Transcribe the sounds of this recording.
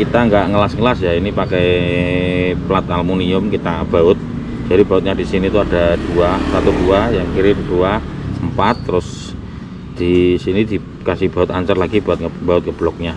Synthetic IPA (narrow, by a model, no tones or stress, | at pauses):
kit̪aŋɡaʔŋəlasŋəlasjainipakɛ | plat̪almuniʊmkit̪ab̥aʊt̪̚ | d͡ʒ̥adib̥aʊt̪̚ɲad̥isinit̪uad̥ad̥uasat̪uduajaŋkiɾɪnd̥uaəmpat̪ːəɾʊs | d̪̥isinid̪̥i | kasɪhb̥a̤ʊt̪aɲt͡ʃərlaɡ̥ibat̪̚b̥aʊt̪̚kəb̥lɔk̚ɲa